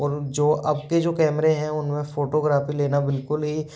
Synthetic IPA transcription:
ɔːɾd͡ʒoːʔɐb̚ked͡ʒoːkɛːmɾẽɦɛ̃ʊnmẽfoːʈoɡɾaːfileːnabɪlkʊlɦi

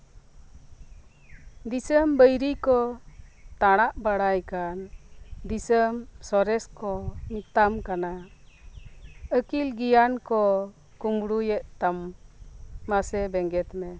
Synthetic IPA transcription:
d̪isəmbəjɾikɔ | t̪aɽ̃aʔbaɽajkand̪isəmsɔɾɛskɔnit̪amkana | əkilɡijankɔ | kumɽujɛʔt̪amː | asɛbɛŋɡɛt̪mɛ

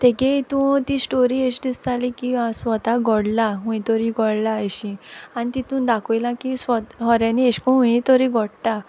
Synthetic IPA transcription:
t̪ekẽit̪ũt̪isʈoɾieɕd̪ist̪alikĩʋasʋɔt̪aɡɔɽlaɦũĩt̪ɔɾiɡɔɽlaeɕĩanit̪it̪ũd̪akʰɔjlãkisʋɔɦɔɾjanieɕkɔ̃ɦũĩt̪ɔɾiɡʱɔɽʈ̪a

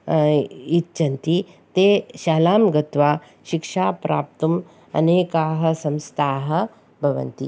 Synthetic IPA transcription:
itːt͡ʃɐnt̪i | t̪eɕaːlaːmɡɐt̪ʋaː | ʃikʂaːpɾa̰ːp̚t̪um | ɐ̰neːkaːɦɐ̆sɐ̃mst̪ʰaːɦɐ̆ | bʱɐʋɐ̰nt̪ḭ

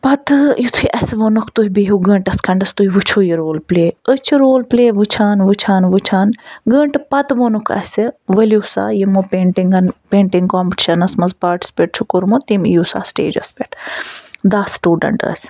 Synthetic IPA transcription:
pɐt̪jit̪ʰuiʔɐsʋonukʰt̪uɦibiɦuɡə̃ːɳʈɐskʰɐɳɖɐst̪uɦiʋɨt͡ʃʰoːjiɾoːlpleːət͡ʃʰiɾoːlpleːʋɨt͡ʃʰaːnʋɨt͡ʃʰaːnʋɨt͡ʃʰaːnɡəːɳʈpɐt̪ʋonukʰɐ̰sɨʋɐljusa̰ːjimopeːɳʈiŋɡɐnpeːɳʈiŋɡkoːmpʈi̥ʃɐnɐsmɐzpaːɾʈi̥speʈ̚t͡ʃʰukuɾmot̪imijuːsa̰ːsʈḛːd͡ʒɐ̰speʈʰ | d̪aːsʈuːɖɐ̰ɳʈɐ̰sʲ

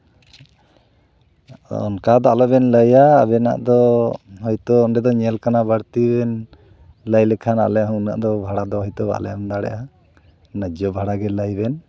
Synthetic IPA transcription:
ɔ̰nkad̪ɔalɔbɛnləja̰ːbɛna̰ʔd̪ɔhɔjt̪ɔːnɖɛd̪ɔɲɛlkanabaɽt̪ibɛn | ləjlɛkʰana̰lɛjaɦuna̰ʔd̪ɔbʱaɽad̪ɔɦɔjt̪ɔba̰ʔlɛ̰jand̪aɽɛ̰ʔa | nəd͡ʒɔbʱaɽaɡɛləjbɛn

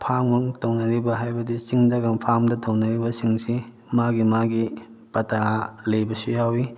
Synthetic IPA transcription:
pʰaŋmɐŋtɐwnɐɾibɐɦajbɐdit͡ʃiŋdɐɡɐmpʰamdɐtɐwnɐɾibɐsiŋsi | maɡimaɡi | pɐtalɐjbɐsujawi

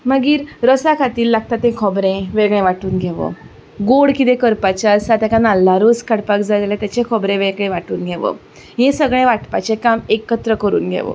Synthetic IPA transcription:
məɡiːɾɾəsakʰat̪iːlːaɡ̚t̪at̪ẽkʰɔbɾẽʋeɡɭẽʋaʈuːnɡʱeʋə̰ | ɡoɽkit̪̬ẽkəɾpat͡ɕjaəsat̪jakanalːaɾoskəɽpakd͡zaaljat̪jat͡ɕẽkʰɔbɾẽʋeɡɭẽʋaʈuːnɡʱeʋə̰ | ɦẽsəɡɭẽʋaʈpat͡ɕekamekət̪ɾəkəɾṵːnɡʱḛʋə̰

